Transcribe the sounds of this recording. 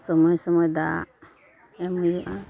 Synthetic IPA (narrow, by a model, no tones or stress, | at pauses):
sɔmɔjsɔmɔjd̪a | ɛmujuʔã